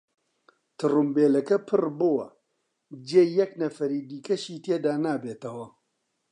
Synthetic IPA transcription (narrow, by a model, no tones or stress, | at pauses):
t̪ʰɨrumbeːlɐkɐpʰɨrbɨwɐ̰ | d͡ʒeːjɐknɐfɐɾiːd̪iːkɐʃiːt̪ʰeːd̪aːnaːbeːt̪ɐwɐ